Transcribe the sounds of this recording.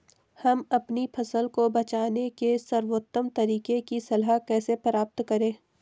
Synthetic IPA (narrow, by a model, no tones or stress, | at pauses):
hɐmɐpnipʰɐsəlkobɐt͡ʃaːnekesɐɾwoːt̪ːəmt̪ɐɾiːkekisɐlɦakɛːsepəɾaːp̚t̪kɐɾẽː